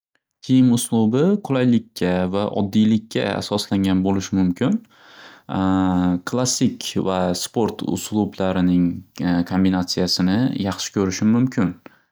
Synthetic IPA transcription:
kʲʰejɪmʊslˠʊbɪqʰʊlajlɪkʲːavaʔɒ̰d̪ːijlɪkʲʰːa̰a̰sɒslaŋʲanbolɪʃɪmʊmkʲʰɪn | kʰlˠasːɪkʲvaspo̞ɾt̪ʰʊ̰slˠublaɾɪnɪŋkʰo̞mbinat̪sijasɪnɪjɑχʃɪ̥kʲʰɵɾɪʃɪmʊmkʲʰɪn

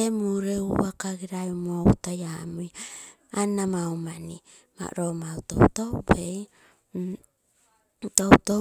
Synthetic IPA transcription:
emuɾeuβakaɡiɾajumoutajamuj | anamawmani | ma̰ɾomawto̰utobej | toto

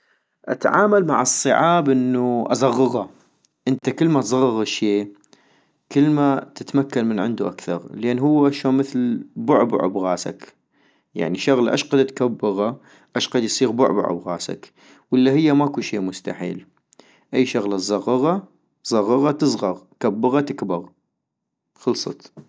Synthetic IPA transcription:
ʔat̪ʕa̰ːmalma̰ʕɨsˤːɨʕaːbʔɪnːuʔɑ̰zˤɑɣːɑɣɑ | ʔɪnt̪akɪlːmat̪zˤɑɣːɑɣʃeː | kɪlːmat̪ɪt̪makːanmɪnʕɪnd̪uʔakθɑɾˤlʔeːnɦʊwːaʔʃoːnməθlbʊʕb̰ʕʊ̰bɣaːsa̰k | ja̰ʕniʃaɣla̰ʔaʃqɑd̪at̪kabːɪɣa | ʔaʃqɑd̪jsˤiːɣbʊʕb̰ʕʊ̰bɣaːsa̰k | wɪlːahɪjːamaʔkuʃeːmʊst̪a̰ħḭːl | ʔajːʃaɣlazˤɑɣːɑɣɑ | zˤɑɣːɑɣɑt̪ɨzˤɣɑɣ | kabːɑɣɑt̪ɪkbɑɣ | xɑlsˤɑ̰t̪

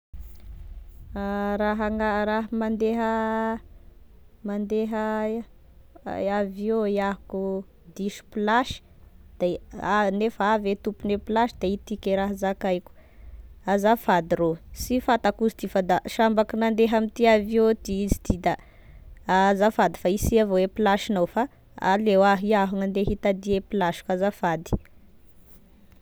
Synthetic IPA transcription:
ɾaɦaŋaraɦəmand̪eɦə | mand̪eɦə | aviojaɦku | d̪iʃi̥plaʃi̥ | d̪̥eanefaavet̪upuneplaʃid̪eit̪ikeɾaɦazakajku̥ | azafad̪iɾosifat̪akusi̥t̪ifad̪aʃambakinand̪eɦamit̪iaviot̪iizid̪̥id̪a | azafad̪i̥faisiavoepilaʃinowfa | a̰lewaɦiaɦunand̪eɦit̪ad̪iepilaʃi̥kazafad̪i̥

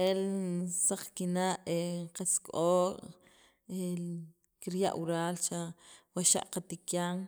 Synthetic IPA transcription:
elsaq͡χkinaʔeqaskʼoːkʼ | e | kiɾja̰ʔwuɾaːlt͡ʃawaʃa̰ʔqat̪ikjaŋ

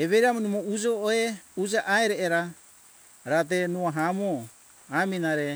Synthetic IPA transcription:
eβeɾamunumoud͡ʒoʔeud͡ʒaʔaeɾeʔeɾa | ɾat̪̬enuaɦamo | aminaɾe

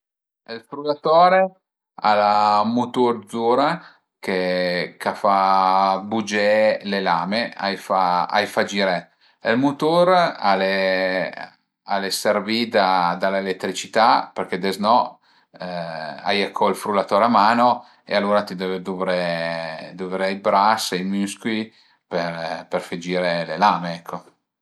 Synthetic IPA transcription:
elfɾulat̪ɔːɾe | a̰lamut̪uɾd̪zuːɾa | kekafabud͡ʒɛlelaːmea̰jfaa̰jfad͡ʒiɾe | elmut̪uɾa̰le | aleservid̪ad̪alelet̪ːɾit͡ʃit̪aperked̪eznɔ | a̰jakʰːɔilfɾulːat̪oːɾamaːno | ḛalːuːɾat̪id̪ɛːved̪uːvɾe | d̪uvɾejbɾasejmyskui | peperfed͡ʒiːɾelelaːmeɛkʰːo

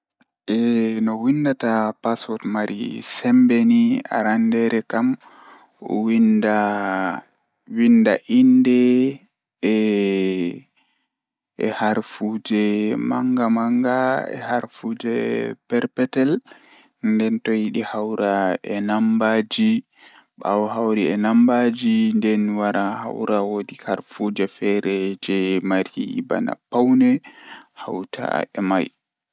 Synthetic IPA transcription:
ʔɛnɔwindatapasɔtmaɾḭsɛmbenia̰ɾandɛɾɛkam | ɔ̰winda | windaʔindɛ | ɛ̰haɾfud͡ʒɛma̰ŋɡamaŋɡaɛ̰haɾfud͡ʒɛpɛɾpɛtɛl | ndɛntɔjiɗihawɾaɛnambad͡ʒi | ɓa̰wɔɦawɾiɛnambad͡ʒindɛnwaɾaha̰wɾawodikaɾfud͡ʒɛfɛɾɛd͡ʒɛmaɾiba̰na̰pːawnɛhawtʰa̰ɛmaj

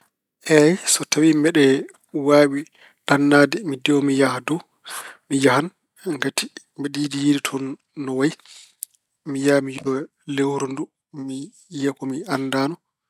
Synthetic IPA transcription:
ʔɛjsɔtʰawimɛɗɛ | waːwi | ɗanːaːdɛmidɛwɔmijahadɔ | mijahan | ŋɡati | mɛɗidijeditʰɔnː | ɔwaj | mijamijɗɔ | lewuɾundu | mi | jakɔmianːdaːnɔ

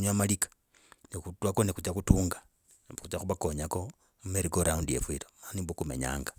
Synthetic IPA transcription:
ɲwamalikḁ | nikutwakonikut͡ʃakutuːŋɡa | kut͡ʃaxuβako̞ɲako̞ | mumeɾiɡoɾaundijḛβwiɾomanibokume̞̰ɲa̰ːŋɡa

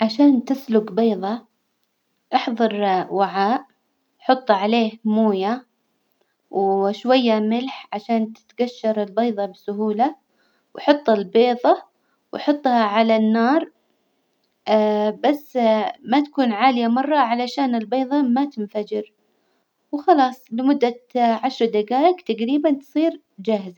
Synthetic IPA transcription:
ʕaʃaːnt̪ɪslʊɡbeːðˤɑ | ʔɑħðˤɑɾˤwaʕaːʔ | ħʊt̪ˤːʕaleːhmuːja | wʃwajːamɪlħʕaʃaːnt̪ɪ̥t̪ɡaʃːɑɾˤɪlbɑːðˤɑbɪsʊɦuːla | wħʊt̪ˤːɪlbeːðˤɑ | wjħʊt̪ˤːhɑʕalanːɑːɾˤ | basːmat̪ḁkuːnʕaːlɪjamɑrˤːɑʕalaʃaːnɪlbeːðˤɑmat̪ɪnfad͡ʒɪɾ | wxɑlɑːsˤlɪmʊd̪ːaʕaʃɾˤɑd̪aɡaːjɪkt̪aɡɾiːbant̪sˤiːɾ | d͡ʒaːhɪza

